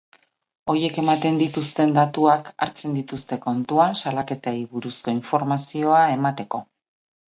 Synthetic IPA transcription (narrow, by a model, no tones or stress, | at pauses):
o̞je̞ke̞mat̪e̞nd̪it̪ust̪e̞nd̪at̪uaka̰ɾt͡se̞nd̪it̪ust̪e̞ko̞nt̪uasalake̞t̪aiβuɾusko̞iɱfo̞ɾmasio̞ae̞mat̪e̞ko̞